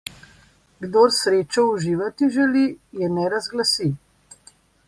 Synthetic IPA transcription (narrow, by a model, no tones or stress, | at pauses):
ɡd̪oːɾsɾeːt͡ʃɔuʒiːʋat̪iʒɛlijɛnɛɾazɡlasi